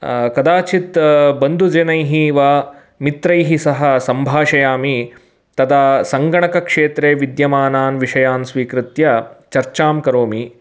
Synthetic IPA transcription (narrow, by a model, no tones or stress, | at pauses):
kɐd̪aːt͡ʃit̪bɐnd̪ʱud͡ʒɐnɐjɦiʋaː | mit̪ɾɐjɦisɐɦɐ̆sɐmbʱaːʃɐjaːmi | t̪ɐd̪aːsɐŋɡɐɳɐkɐkʂeːt̪ɾeːʋid̪jɐmaːnaːnʋiʂɐjaːnsʋiːkɾɪt̪jɐt͡ʃɐɾt͡ʃaːmkɐɾoːmi